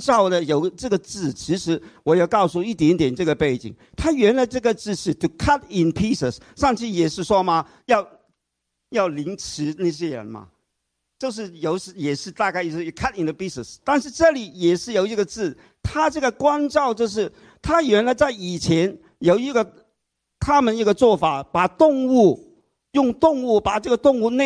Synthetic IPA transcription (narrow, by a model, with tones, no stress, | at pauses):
ʈ͡ʂɑ˥˩ʊd̪ə˨jo˨˩ʊʈ͡ʂɤ˥˩ɡə˨t͡sɹ̩˥˩t͡ɕʰi˧˥ʂɻ̩˧˥wɔ˨˩je˥˧˩ʊkɑ˥˧ʊsu˥˧i˥˩t̪jɛ˧˥nt̪jɛ˨˩nʈ͡ʂɤ˥˩ɡə˩pe˥˩ɪt͡ɕḭ˨˩ŋ | t̪ʰa˥ɥɛ˧˥nla˨˧˥ɪʈ͡ʂɤ˥˩ɡə˨t͡sɹ̩˥˧ʂɻ̩˥˩t̪ʰu˨˩kʰa˥t̚ɪ˨npʰi˥sə˨˩s | ʂɑ˥˧ŋt͡ɕʰi˥˩jɛ˨˩ʂɻ̩˥˩ʂwɔ˥mɐ˨ | jɑ˥˧ʊ | jɑ˥˩ʊli˧˥ŋʈ͡ʂ̩ʰ˧˥na˥˩ɕ̬jɛ˥ɻə̰˧˦nmɐ̰˧ | t͡ɕjo˥˧ʊʂ̬ɻ̩˥˩jo˨˩ʊʂ̩˧˥jɛ˨˩ʂɻ̩˥˧t̪a˥˧ka˥˩ɪjkʰa˥tɪ˨nd̪ə˧pi˥sə˨˩st̪a˥˧nʂɻ̩˥˧ʈ͡ʂɤ˥˩li˨˩jɛ˨˩ʂɻ̩˥˩jo˨˩ʊi˧˥˩ɡə˧t͡sɹ̩˥˩ | t̪ʰa˥ʈ͡ʂɤ˥˩ɡə˩kwa˥nʈ͡ʂɑ˥˧ʊt͡ɕjo˥˧ʊʂ̬ɻ̩˥˩ | t̪ʰa˥jɛ˧˥nla˧˥ɪt͡sa˥˩ɪi˨˩t͡ɕʰjɛ˧˥n | jo˨˩ʊi˧˥ɡə˧ | t̪ʰa˥mə˨ni˥˩ɡə˧t͡swɔ˥˩fa˨˩pa˨˩t̪ʊ˥˧ŋu˥˩ | jʊ˥˧ŋt̪ʊ˥˧ŋu˥˩pa˨˩ʈ͡ʂɤ˥˩ɡə˨˧t̪ʊ˥˧ŋu˥˧ne˥˧